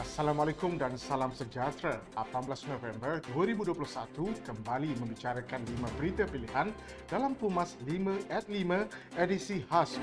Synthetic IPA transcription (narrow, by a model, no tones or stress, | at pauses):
asalamalekʊmdansalamsəd͡ʒat̪ɾaapambəlasnovɛmbərduəɾibuduəp̬luhsat̪ukəmbalimə̃mbit͡ʃaɾakanlimãbəɾit̪apiliɦan | dalamt̪umaslimãɛt̪̚limã | edisihas